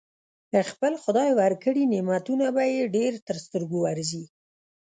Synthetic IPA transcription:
əxpəlxʊd̪ɑjwaɾkəɽinemat̪unabajeɖeɾt̪əɾst̪əɾɡowaɾzi

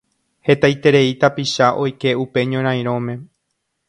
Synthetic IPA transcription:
he̞t̪ajt̪e̞ɾe̞it̪apiʃaʔo̞jke̞upe̞ɲõɾ̃ãj̃ɾ̃õ̞mẽ̞

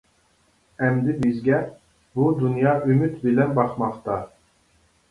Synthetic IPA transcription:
ɛmd̪ɪbizɡʲɛ | bud̪unjɑːʔymyt̪bilɛnbɑχmɑχt̪ɑ

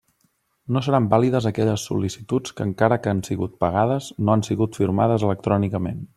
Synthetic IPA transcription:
nosəɾambaliðəzəkɛʎəsːṵlisit̪ut͡skəŋkaɾəkansiɣut̪̚pəɣ̞aðəznoansiɣut̪fiɾmaðəzələk̚t̪ɾɔnikəmḛn

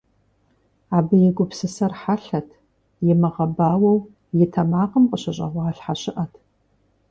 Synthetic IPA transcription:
aːbɨjɛɡʷʊpsɨsɐrħaɬɐtʰ | jɛmɐʁɐbaːwɐw | jɪtʰɐmaːqəmqʼəɕɐɕʼɐ̰ʁʷɑːɬħaɕʼɪʔɐtʰ

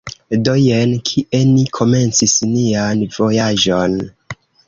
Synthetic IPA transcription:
dojenkʰiʔe̞nikʰo̞me̞nt͡sisnianv̥o̞jaʒon

